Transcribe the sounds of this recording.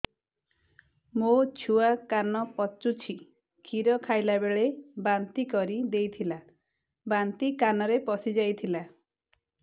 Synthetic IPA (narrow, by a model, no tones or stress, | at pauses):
mot͡ʃʰuakanɔpɔt͡ʃːut͡ʃʰi | kʰiɾɔkʰajlabeɭebant̪ikɔɾid̪ejt̪ʰila | bant̪ikanɔɾepɔsid͡ʒajt̪ʰila